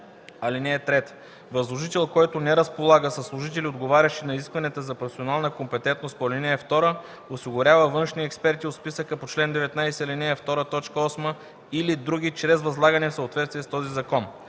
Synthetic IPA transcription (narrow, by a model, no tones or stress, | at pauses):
ɐlinɛːt̪ɾɛt̪ | vɐzlˠoʒit̪ɛlˠkɔjt̪onɛɾəspolˠaɡəsəsːlˠoʒit̪ɛliod̪ɡovaɾʲɐʃinɐiskvɐnɛt̪əzɐpoɾsionalˠnəkompɛt̪ɛnt̪nost̪̚polʲɛnɛːft̪ɔɾə | osiɡʊɾʲavəvɤnʃniɛkspɛɾt̪iot̪spisəkəpot͡ʃlɛnd̪ɛvɛt̪najsɛlinɛft̪ɔɾət̪ɔt͡ʃkəɔsmə | ilid̪ɾuɡ̟ʲit͡ʃɾɛzvɐzlˠaɡənɛfsəot̪vɛt̪st̪viɛst̪ɔzizɐkɔn